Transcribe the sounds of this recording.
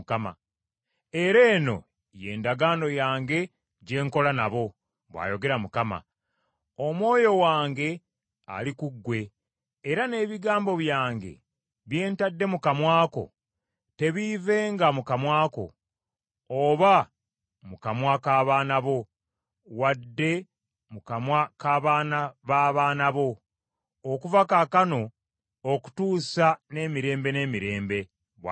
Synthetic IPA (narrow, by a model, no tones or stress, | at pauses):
kama̰ | e̞ɾe̞ːno̞̰ | je̞ːndaɡaːno̞jaːŋɡe̞ | ɟe̞ːŋko̞lanaβo̞ | βwa̰ːjo̞ɡe̞ɾamukama̰ | o̞mwo̞ːjo̞waːŋɡe̞ | a̰likuɡːwe̞ː | ɾane̞ːβiɡaːmbo̞βjaːŋɡe̞̰ | βje̞ːntadːe̞mukamwaːko̞̰ | te̞βive̞ːŋɡamukamwaːko̞̰ | oβa | mukamwakaːβaːnaβo̞ | wadːe̞ | mukamwakaβaːnaβaːβaːnaβo̞ː | kuvakakano̞ | oku̥tuːsane̞ːmiɾe̞ːmbe̞ne̞ːmiɾe̞ːmbe̞ | βwa